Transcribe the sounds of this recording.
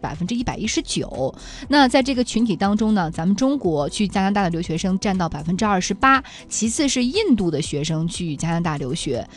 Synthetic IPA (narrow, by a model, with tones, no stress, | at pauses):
pa̰˨˩ɪfə˥nʈ͡ʂɻ̩˥i˥˩pa˨˩ɪi˥ʂɻ̩˧˥t͡ɕjo˨˩˦ʊ | na˥˧t͡sa˥˧ɪʈ͡ʂɤ˥˩ɡə˩t͡ɕʰy˧˥nt̪ʰi˨˩t̪ɑ˥ŋʈ͡ʂʊ˥ŋnə˨t͡sa˧˥mə˨nʈ͡ʂʊ˥ŋkwɔ˧˥t͡ɕʰy˥˩t͡ɕja˥na˧˥t̪a˥˩ə˩ljo˧˥ʊɕɥɛ˧˥ʂɤ˥ŋʈ͡ʂa˥˧nt̪ɑ˥˩ʊpa˨˩ɪfə˥nʈ͡ʂɻ̩˥ɐ˥˩ʂɻ̩˧˥pa˥ | t͡ɕʰi˧˥t͡sʰɹ̩˥˧ʂɻ̩˥˧i˥˧nt̪u˥˩d̪ə˩ɕɥɛ˧˥ʂɤ˥ŋt͡ɕʰy˥˩t͡ɕja˥na˧˥t̪a˥˩ljo˧˥ʊɕɥɛ˧˥